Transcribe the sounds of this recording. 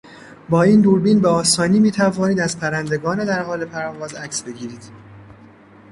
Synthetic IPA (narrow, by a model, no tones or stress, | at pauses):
bɒːiːnd̪uːɾbiːnbeɒːsɒːniːmiːt̪ʰævɒːniːd̪æzpʰæɾænd̪e̞ɡɒːned̪æɾɦɒːle̞pʰæɾvɒːzæcsbe̞ɟiːɾiːd̪̥